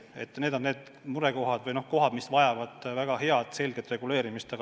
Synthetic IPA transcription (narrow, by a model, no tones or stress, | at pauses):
e̞̰t̪ːˑne̞ːd̪o̞nːe̞ːd̪̥ | muɾeko̞ɦɑd̪̥vɯjno̞hko̞ɦɑd̪̥misvɑjɑvɑd̪̥væɡ̥ɑhe̞ɑd̪̥se̞lɡ̥et̪ːˑre̞ɡ̥ule̞ːɾimist̪ɑɡ